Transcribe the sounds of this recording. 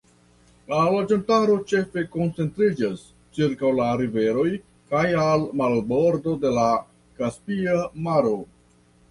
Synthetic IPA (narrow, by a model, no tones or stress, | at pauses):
lalod͡ʒantaɾo̞t͡ʃe̞fe̞ko̞nt͡se̞ntɾid͡ʒas | t͡ʃiɾkawlaɾive̞ɾo̞j | kajalmalbo̞ɾdo̞de̞la | kaspiamaɾo̞